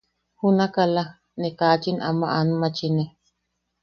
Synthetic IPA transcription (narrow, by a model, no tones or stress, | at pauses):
hunakala | nekat͡ʃinʔamaʔanumat͡ʃine